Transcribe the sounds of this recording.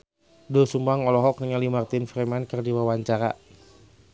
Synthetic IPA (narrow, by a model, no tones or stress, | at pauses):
dosumbaŋɔlɔɦɔk̚nəŋalimart̪infɾɛmankərdiwawaɲt͡ʃaɾa̰